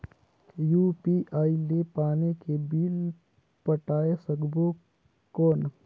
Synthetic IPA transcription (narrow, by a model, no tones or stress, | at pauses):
juːpiːʔaːilepaːnekebiːl | pəʈaːesɐɡbo | koːn